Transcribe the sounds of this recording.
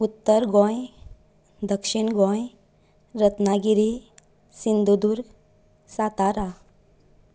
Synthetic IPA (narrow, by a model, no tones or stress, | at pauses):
ut̪ːəɾɡɔ̃j | d̪əkʂiɳɡɔ̃j | ɾət̪naɡiɾi | sind̪ud̪uɾɡ | sat̪aɾa